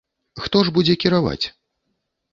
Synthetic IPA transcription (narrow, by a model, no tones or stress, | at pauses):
xt̪ɔʐbud͡zʲɛkʲiɾava̰t͡sʲ